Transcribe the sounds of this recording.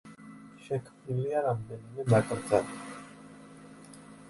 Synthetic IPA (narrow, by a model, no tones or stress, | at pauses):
ʃɛkʰmniliaɾamd̪ɛnimɛnakʼɾd̪zali